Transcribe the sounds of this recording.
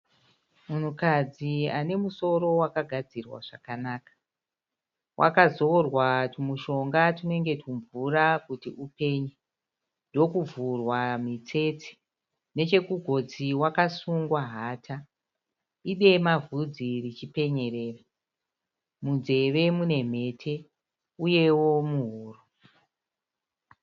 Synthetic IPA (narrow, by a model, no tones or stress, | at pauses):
mun̤ukad͡ziane̞muso̞ɾo̞wakaɡʱad͡zirwa̰ʐ̥akanaːkḁ | wʔa̰kazoorwatumuʃo̞ŋɡatine̞ŋɡe̞tuɱvurakutiupe̞ːɲe | ndo̞kuvurwamit͡se̞t͡se̥ | ne̞t͡ʃe̞kuɡʱo̞d͡ziwakasuŋɡwaɦaːtʰa | iɗe̞mavud͡zirit͡ʃipe̞ɲe̞re̞ːra | mund͡ze̞ʋe̞mune̞m̤e̞ːtʰe̞ | uje̞wo̞muɦuːru